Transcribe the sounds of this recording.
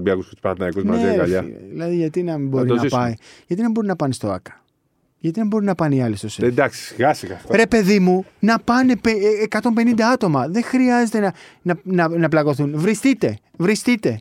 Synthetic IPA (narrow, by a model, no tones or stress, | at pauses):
biɐkuspɐt̪nɐikuznmɐzeɣɐ̰ʎɐ̰ðilɐðiʝɐt̪inɐmibo̞ɾinɐpɐiʝɐt̪inɐbo̞ɾinɐpɐnest̪o̞ɐ̰kɐ̥ | ʝɐt̪inɐmbo̞ɾinɐpɐniɐlesosed̪ɐksi̥siɣɐsiɣɐɾe̞pe̞ðimunɐpɐnepeekɐt̪o̞mbe̞nind̪ɐɐt̪o̞mɐðe̞ŋxɾiɐze̞t̪enɐnɐnɐnɐplɐɣo̞θunvɾist̪it̪e̞ | vɾist̪it̪e̞